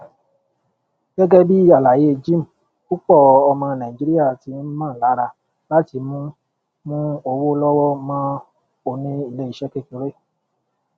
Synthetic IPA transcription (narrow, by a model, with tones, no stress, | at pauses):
ɡ̥ɛ˦ɡɛ˦bi˦a˦˨la˨je˨˦e˧d͡ʒi˦m̩˨ | ku˦k͡pɔ˦˨ɔ˧mã˧nã˨ĩ˨d͡ʒi˦ɾi˦ja˦˨ti˨˦n̩˦mãː˦˨la˨˦ɾa˧ | la˦ti˧˦mũ˦ | mũ˦o˧wo˦lɔ˦wɔ˦mãː˦ | o˧nĩ˦i˦˨le˦i˦˨ʃɛ˦ke˦˨ko˧˦ɾe˦